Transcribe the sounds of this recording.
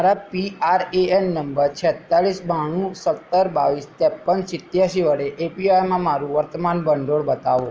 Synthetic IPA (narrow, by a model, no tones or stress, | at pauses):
aɾapiaɾeennəmbəɾt͡ʃʰɛt̪ːaɭisbʱaɽ̃ũsət̪ːəɾbaʋist̪ɛpːənsɪt̪jaʃiʋəɽeʔepiajmãmaɾũʋəɾt̪əmanbəɳɖoɽbət̪aʋõ